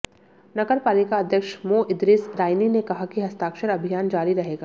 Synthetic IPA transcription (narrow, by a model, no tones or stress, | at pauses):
nɐɡəɾpaːlɪkaɐd̪ʱjəkʃmoːʔɪd̪ɾɪsɾaːɪninekɐɦakiɦɐst̪aːkʃəɾɐbʱijaːnd͡ʒaːɾiɾɐɦeːɡaː